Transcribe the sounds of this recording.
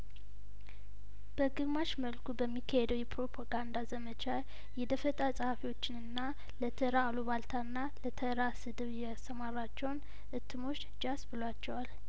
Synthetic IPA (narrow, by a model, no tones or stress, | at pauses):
b̥əɡɨmaʃməlkʰubəmːikʰːəhed̪əwjɛpɾo̞pʰaɡand̪azəmət͡ʃa | jɛd̪əfət̪ʼasʼəhafiwo̞t͡ʃːɪnɨnːa | lət̪ʰəɾaːloβalt̪ʰaɨnːalət̪ʰəɾasɨd̪ɨβjɛast̪əmaɾat͡ʃːɛwn | ʔɨt̪ʰːɨmo̞t͡ʃːd͡ʒasbɨlwat͡ʃːɛwal